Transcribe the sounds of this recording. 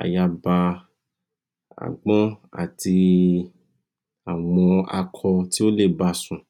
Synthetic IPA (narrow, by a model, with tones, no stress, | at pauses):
a̰˨ja˧ba˧ | a̰˨ɡ͡bɔ̃˦a̰˨ti˧ | a˨w̃ɔ̃˧a̰˧kʰɔ˧ti˦o˦le˦˨ba˧sũ˧